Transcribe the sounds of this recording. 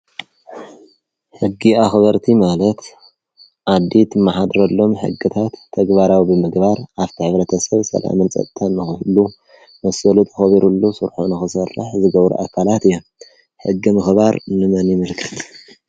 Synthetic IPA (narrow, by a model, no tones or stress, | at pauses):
ħɨɡːiaxβɐɾt̪ʰimalɐt̪ | ʔad̪ːit̪maħad̪ɾɐlːo̞mħɨ̰ɡːɨt̪ʰat̪ʰːɐɡbaɾawibɨmɨɡbaɾʔaβt̪ʰiħɨβɾɐt̪ʰɐsɐβsɐ̰la̰mɨnt͡sʼɐ̰t̪ʼt̪ʰːɐnːɨxɨhlu | mɐsɐlut̪ʼxɐβiɾulːusɨɾħunɨxɨsɐrːɨ̰ħzɨɡɐβɾṵʔakʰalat̪ɨjːom | ħɨɡːimɨxβaɾnɨmɐnjimɨɾkʰɐ̥t̪